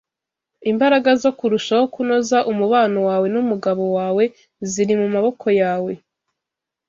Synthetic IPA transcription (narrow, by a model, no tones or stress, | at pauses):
imbaɾaɡazo̞kuɾuʃaho̞kuno̞zaʔumuβaːnowaːwe̞numuɡaβo̞waːwe̞ | ziɾimumaβo̞kʰo̞jaːwe̞